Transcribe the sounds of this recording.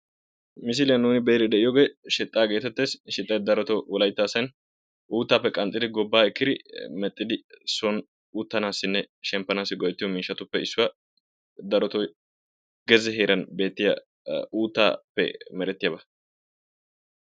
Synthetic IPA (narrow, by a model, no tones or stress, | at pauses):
mɪs̬ɪlɪjɐnːuːnɪbejɾɪd̪ɛʔɪjɔɡeːʃɛt̪ʼːaːɡe̞ːt̪ɛt̪ːeːsʃɪt̪ʼːɐjd̪ɐɾɔt̪ɔwɔlɐjt̪ːaːsɐn | ʔuːt̪ːaːpːɛkʼɐnt̪ʼːɪd̪ɪɡɔbːaːɪkːɪd̪ɪmɛt̪ʼːɪd̪ɪsɔn | uːt̪ːɐnaːsɪnːɛ | ʃɛmpːɐnaːsːɪɡɔjɛt̪ːɪjɔmiːʃːɐt̪ʊpːɛɪsːʊwɐ | d̪ɐɾɔt̪ɔj | ɡɛzɛɦe̞ːɾɐnbe̞ːt̪ːɪjɐ̰ | uːt̪ːa̰ːpːɛ̰mɛɾɛt̪ːɪjɐbɐ